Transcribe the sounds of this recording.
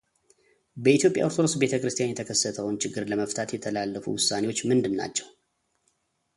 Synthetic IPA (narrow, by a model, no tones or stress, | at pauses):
bəit̪ʰjo̞pʼja̰oɾt̪ʰoɾosbe̞t̪ʰəkɾɨst̪ijanjɛt̪ʰəkʰəsːət̪ʰəwnt͡ʃʰɪɡːɨɾləməft̪ʰat̪jɛt̪ʰəlalːəfṵwʊsːane̞wo̞t͡ʃːmɨnd̪ɨnːa̰t͡ʃːɛw